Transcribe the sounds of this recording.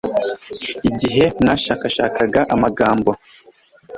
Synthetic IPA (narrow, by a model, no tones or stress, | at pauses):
iɟiɦe̞naʃakaʃa̰ːkaɡaʔamaɡaːmbo